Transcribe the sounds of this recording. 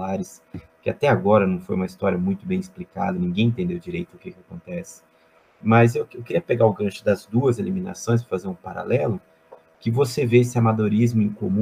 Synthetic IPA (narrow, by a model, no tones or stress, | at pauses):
aɾɪs | kɪat̪ɛaɡɔɾɐnɐ̃w̃fojũmɐist̪ɔɾiɐmũj̃t̪ʊbẽj̃ɪsplika̰d̪ɐnĩɡẽj̃ẽnt̪ẽnd̪ewd͡ʒiɾejt̪ʊʊkekɪakõnt̪ɛsɪ̥ | mɐzewewkɪɾiɐpeɡaʊɡɐ̃ʃʊd̪ɐzd̪uɐzelimĩna̰sõj̃s̬ɐfazeɾũpaɾa̰lʔɛlʊ | kɪvoseveesɪamad̪oɾizmʊĩŋkomũ